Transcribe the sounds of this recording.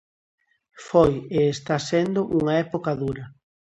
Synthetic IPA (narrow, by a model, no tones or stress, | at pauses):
fojeːst̪asend̪ʊʔuŋɐɛpokaðuɾɐ